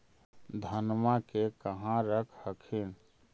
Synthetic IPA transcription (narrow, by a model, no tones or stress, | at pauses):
d̪ʱənmakekəɦãɾəkʰhəkʰin